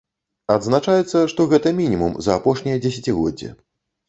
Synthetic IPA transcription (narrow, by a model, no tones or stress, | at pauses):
ad̪znat͡ʂajɛt̪sːɐʂt̪ɔɣɛt̪ɐmʲinʲimṵmzɐːpɔʂnʲijɐd͡zʲesʲɐt͡sʲiɣɔd͡zʲːɛ̰